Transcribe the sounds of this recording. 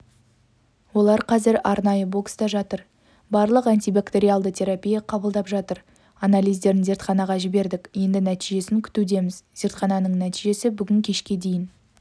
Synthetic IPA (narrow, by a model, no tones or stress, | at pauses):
wo̞lˠɑɾqʰɑzɪɾɑɾnɑjəbo̞ksd̪ɑʒɑt̪əɾ | bɑɾlˠəqant̪ibakt̪e̞ɾialˠd̪ət̪ʲʰe̞ɾapʲijɑqʰɑbəlˠd̪ɑpʒɑt̪əɾ | analʲijzd̪e̞ɾɪnze̞ɾt̪χɑnɑʁɑʒɪbe̞ɾd̪ɪkje̞nd̪ɪnæt̪iʒe̞sɪŋkʲʰʏ̥t̪ud̪e̞mɪzz̥e̞ɾt̪χɑnɑnəɴnæt̪iʒe̞sɪbʏɡʲɪŋkʲʰe̞ʃkʲe̞d̪e̞jɪn